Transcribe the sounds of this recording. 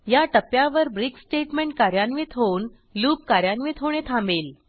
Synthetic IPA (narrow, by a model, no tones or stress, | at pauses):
jaʈəpjaʋəɾbɾiksʈeʈmeɳʈ̚kaɾjanʋit̪ɦon | luːp̚kaɾjanʋit̪ɦoɽ̃et̪ʰãmbel